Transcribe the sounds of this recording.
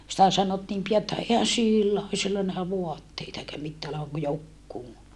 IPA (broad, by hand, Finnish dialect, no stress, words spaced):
sĭtæ sɑnotːiːm pijɑ etːæ ehæn silːæ o silːæ næhæ ʋoɑtːeitɑ eikæ mitːæː oleʋɑŋ ku jokːuː